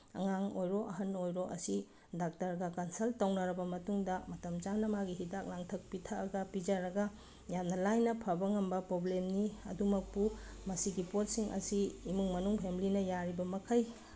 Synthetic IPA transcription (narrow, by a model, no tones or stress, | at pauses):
ɐ̰ŋaŋojɾoʔɐɦɐnojɾoʔɐsi | dak̚tɐɾɡɐkɐnsɐltɐwnɐɾɐbɐmɐtuŋdɐmɐtɐmt͡ʃanɐmaɡiɦidak̚laŋtʰɐk̚pitʰɐɐɡɐpid͡ʒɐɾɐɡɐ | jamnɐlajnɐpʰɐbɐŋɐmbɐpɾoblemniɐ̰dumɐk̚pumɐsiɡipot̚siŋɐ̰siːmuŋmɐnuŋpʰemilinɐjaɾibɐmɐkʰɐj